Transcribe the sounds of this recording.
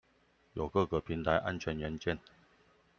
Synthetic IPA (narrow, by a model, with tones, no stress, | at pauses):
jo˨˩ʊkɤ˥˩kə˨˩pʰi˨˦nt̪ʰa˧˥ɪʔa̰˥nt͡ɕʰɥɛ˧˥nɥɛ˨˧˥nt͡ɕjɛ˥˨n